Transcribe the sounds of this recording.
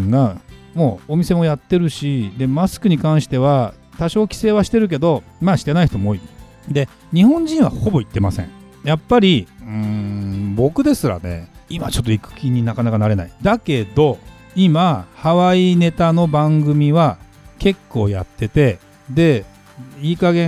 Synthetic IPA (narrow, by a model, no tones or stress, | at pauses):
ɡamo̞ːomʲise̞mo̞jat̪ːe̞ɾɯ̟ɕid̪e̞masɨ̥kɯ̟ɲ̟ikãɰ̃ɕi̥t̪e̞βa | t̪aɕo̞ːkʲi̥se̞ːβaɕi̥t̪e̞ɾɯ̟k̬e̞d̪o̞maːɕi̥t̪e̞naiçt̪o̞mooːi | d̪e̞ | ɲ̟ihõ̞ɲ̟d͡ʑĩɰ̃βa̰ho̞bo̞it̪ːe̞masẽ̞̰ɴ | japːaɾʲiɯ̃bo̞kɯ̟d̪e̞sɨɾa̰ne̞̰imat͡ɕo̞t̪ːoikɯ̥kʲiɲ̟ːinakanakanaɾe̞na̰id̪ake̞d̪o̞ | imahaβaine̞t̪ano̞bãŋɡɯ̟mʲiβa | ke̞kːo̞̰ːja̰t̪ːe̞t̪e̞ | d̪e̞ | iːkaɡẽ